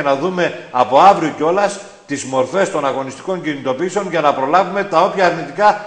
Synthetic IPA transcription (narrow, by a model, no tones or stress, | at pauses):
enɐðume̞ɐpo̞ɐvɾioceo̞lɐs | t̪izmo̞ɾfe̞st̪o̞nɐɣo̞nist̪i̥ko̞ɲcinit̪o̞piseo̞nʝɐnɐpɾo̞lɐvume̞t̪ɐo̞pçɐːɾnit̪ikɐ